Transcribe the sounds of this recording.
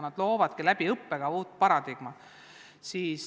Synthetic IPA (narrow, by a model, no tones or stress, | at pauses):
nɑd̪̥lo̞ːvɑd̪̥kilæb̥iɤpːeɡ̥ɑuːt̪pɑɾɑd̪iɡ̥mɑ | siːs